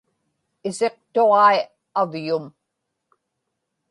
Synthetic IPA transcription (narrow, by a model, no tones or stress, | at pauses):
ɪse̞q̚t̪oʁɑi | avjʊm